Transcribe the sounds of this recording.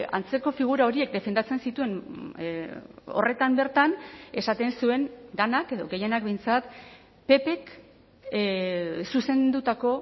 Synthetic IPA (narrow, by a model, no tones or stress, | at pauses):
a̰nt͡se̞ko̞fiɣ̞uɾao̞ɾie̞k̚d̪e̞fe̞nd̪at͡se̞nsit̪ue̞n | o̞̰re̞t̪ambe̞ɾt̪ane̞sat̪e̞nsue̞nd̪anake̞ðo̞ɣe̞je̞nak̚be̞jnt͡sat̪ | pe̞pe̞k | suse̞nd̪ut̪ako̞